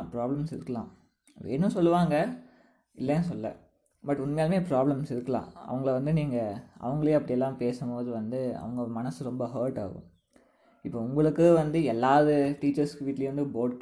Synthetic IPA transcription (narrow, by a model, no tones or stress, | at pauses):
pɾaːblɐmsɪɾɯkːɐlã̰ː | ʋḛːnːɯ̃sɔlːɯʋaːŋɡɐ | ɪlːɐnːɯsɔlːɐ̰ | bɐʈːʊnːɯmeːlɐmeːpɾaːblɐmsɪɾɯkːɐlã̰ːɐ̰ʋɐŋɡɐɭʋɐnd̪ɯniːŋɡɐɐ̰ʋɐŋɡɐɭejːɐpːɐɽɪjɛlːãːpeːsɐmboːðɯʋɐnd̪ɯɐ̰ʋɐŋɡɐmɐnɐsɯɾɔmbɐɦɐːɾʈa̰ːɣʊ̰̃ | ɪpːoːʊŋɡɐɭɯkːɯʋɐnd̪ɯɛlːaːɐðɯʈiːt͡ʃːɐɾskɯʋiːʈːlejɾɐnd̪ɯboːʈ